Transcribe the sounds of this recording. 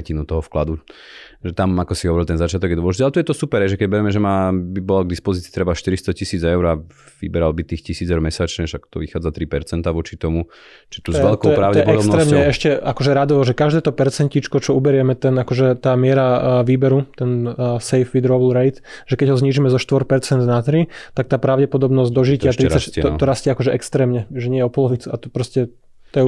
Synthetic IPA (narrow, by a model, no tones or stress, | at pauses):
cinut̪ɔɦɔfklad̪u | ʒɛt̪amakɔsiɦɔʋɔɾilˠt̪ɛnzat͡ʃɪat̪ɔɡjɛd̪ʋɔʒiɟɛalɛt̪ɔjɛt̪ɔsupɛɾɦɛjʒɛkɛɟbɛɾɛmɛʒɛmaːbibɔlaɡ̚d̪ispɔzit͡siːt̪ɾɛbaʃt̪iɾist̪ɔcisiːd͡zɛʊɾa | ʋḭbɛɾalbit̪iːxcisiːd͡zɛʊɾmɛsat͡ʃɲɛʃakt̪ɔ̰ʋixaːd͡zat̪ɾipɛɾt͡sɛnt̪aʋɔt͡ʃit̪ɔmu | t͡ʃit̪uzzɛlktɔɛpɾaʊd̪ɛpɔɛdɔkntɾɛːmɲɛɛʃcɛakɔʒɛɾad̪ɔʋɔʒɛkaʒd̪ɛːt̪ɔpɛɾt͡sɛɲcit͡ʃkɔt͡ʃɔubɛɾɪɛmɛt̪ɛnakɔʒɛt̪aːmɪɛɾaʋiːbɛɾut̪ɛnsɛjfʋid̪ɾɔblɾɛjt̪ʒɛkɛɟɦɔzɲiːʒimɛzɔʃt̪ʋɔɾpɛɾt͡sɛnd̪nat̪ɾit̪ak̚t̪aːpɾaʊɟɛpɔd̪ɔbnɔzɟd̪ɔʒic̪ɪat̪ɾiaɔt̪ɔɾascaakɔʒɛʔɛkst̪ɾɛːmɲɛʒɛɲɪɛjɛɔpɔlɔʋit͡suat̪ɔpɾɔscɛ | t̪ɔjɛ